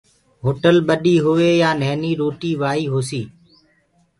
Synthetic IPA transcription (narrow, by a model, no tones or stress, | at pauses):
ɦoːʈəlɓəɗiːɦʊʋeːjãːnɛːniːɾoːʈiːʋaːiːɦoːsiː